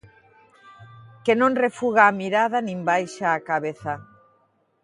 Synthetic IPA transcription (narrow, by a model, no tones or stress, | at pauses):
kenõnrefuɣaːmiɾaðanĩmbajʃaːkaβeθa